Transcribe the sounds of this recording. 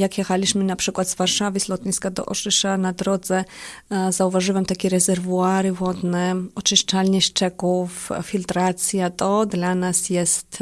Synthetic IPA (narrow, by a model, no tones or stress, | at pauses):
jakjɛxalʲiɕmɘnapʂɘkwad̪zvaɾʂavɘzlɔt̪̚ɲʲiskad̪ɔ̰ʔɔʂɘʂanad̪ɾɔd̪zɛ | zauvaʐɘwɛmt̪akʲɛɾɛzɛɾvuaɾɘvɔd̪nɛɔt͡ʂɘʂt͡ʂalʲɲɛʂt͡ʂɛkuffʲilt̪ɾat̪sʲjat̪ɔd̪lanasjɛst̪